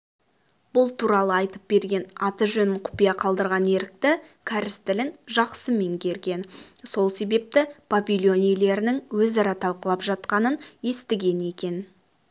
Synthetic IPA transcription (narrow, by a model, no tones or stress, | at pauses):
b̥ʊlˠt̪ʰuɾɑlˠəɑjt̪əp̚be̞ɾɡʲe̞nɑt̪əʒɵnɪɴqʰʊ̥pijɑqʰɑlˠd̪əɾʁɑne̞ɾɪk̚t̪ɪkʲʰæɾɪst̪ɪlɪnʒɑqsəme̞ŋkʲʰe̞ɾɡʲe̞nso̞lˠse̞be̞p̚t̪ɪpʰavʲilʲˠjo̞nijele̞ɾɪnɪŋwɵzɑɾɑt̪ʰɑlˠqəlˠɑpʒɑt̪qɑnənje̞st̪ɪɡʲe̞ne̞kʲe̞n